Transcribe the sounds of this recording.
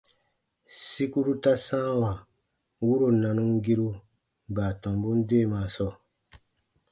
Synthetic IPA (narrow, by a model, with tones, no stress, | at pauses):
si˦ku˦ɾu˦ta˦sãː˦wa˨ | wu˦ɾo˨nã˨nũ˦ŋ˦ɡi˦ɾu˦ | baː˨tɔ̃˨mbu˦n̩˦deː˦˨maː˨˦˨sɔ˦˨